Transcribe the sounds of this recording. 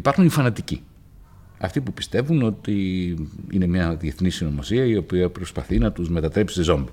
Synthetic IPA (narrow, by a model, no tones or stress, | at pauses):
ipɐɾxunifɐnɐt̪icḭ | ɐ̰ft̪ipupi̥st̪e̞vuno̞t̪i | ine̞mɲɐðje̞θnisino̞mo̞siɐio̞piɐpɾo̞spɐθinɐt̪uzme̞t̪ɐt̪ɾe̞psi̥sezo̞mbi